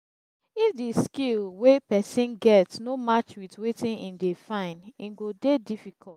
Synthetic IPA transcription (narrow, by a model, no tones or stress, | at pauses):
ifdiskilwepɛsĩnɡɛtsnomat͡ʃwitwetĩnĩndefãɪ̃nĩnɡodedifikʰɔt